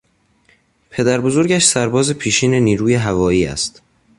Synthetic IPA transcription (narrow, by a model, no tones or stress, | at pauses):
pʰe̞d̪æɾbo̞zo̞ɾɟæʃsæɾbɒːze̞pʰiːʃiːne̞niːɾuːjeɦævɒːiːæ̰st̪